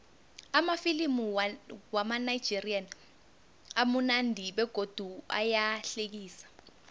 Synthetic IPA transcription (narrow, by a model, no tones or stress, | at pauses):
amafilimuwamanaid̥d͡ʒ̥ʱirian | amunandʱiɓɛɡ̥ʱod̥ʱua̰jaɬek̬iːsḁ